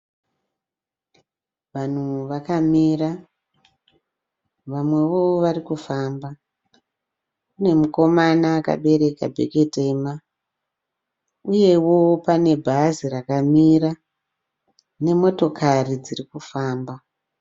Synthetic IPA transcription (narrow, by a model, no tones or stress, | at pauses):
ʋan̤uʋakamiːra | ʋamwe̞ʋo̞ʋarikufaːmba | une̞muko̞manaːka̰ɓe̞ɾe̞ka̰bʱeke̞te̞ma | uje̞wo̞pane̞bʱazirakamiɾa | ne̞mo̞to̞kʰarid͡zirikufaːmba